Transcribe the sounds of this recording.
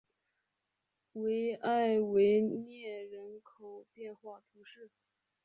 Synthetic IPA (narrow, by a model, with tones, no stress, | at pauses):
we˧˥ɪa˥˩ɪwe˧˥ɪnjɛ˥˩ɻə˧˥nkʰo˨˩ʊpjɛ˥˧nxwa˥˩t̪ʰu˧˥ʂɻ̩˥˩